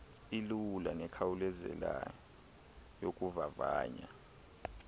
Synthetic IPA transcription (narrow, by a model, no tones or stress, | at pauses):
ilulanɛkʰawulɛzɛ̰la | jok̬ʼuvavaːɲa